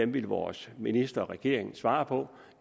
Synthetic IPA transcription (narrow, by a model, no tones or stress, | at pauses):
emʋilʋɒ̰ːsminisd̥ɐɒ̽ʁɛɡ̥e̝̰ɐ̰e̝ŋn̩sʋɑ̈ːpʰɒ̽